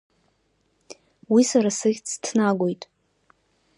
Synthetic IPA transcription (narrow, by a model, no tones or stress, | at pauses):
wisaɾasɨχʲt͡sʰtʰnaɡʷojtʼ